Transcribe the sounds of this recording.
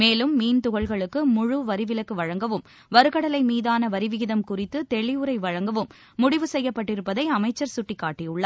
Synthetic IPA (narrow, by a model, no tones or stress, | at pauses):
meːlɯmːiːnt̪ʊɣɐɭɣɐɭɯkːɯmʊɻʊʋɐɾɪʋɪlɐkːɯʋɐɻɐŋɡɐʋɯm | ʋɐɾɯɣɐɽɐlɐɪmiːðaːnɐʋɐɾɪʋɪɣɪðɐmkʊrɪt̪ːɯt̪ɛɻɪjɯɾɐɪʋɐɻɐŋɡɐʋɯmː | ʊɽɪʋɯsɛjːɐpːɐʈːɪɾɯpːɐðɐɪɐmɐɪt͡ʃːɐɾsʊʈːikːaːʈːɪjɯɭːɐ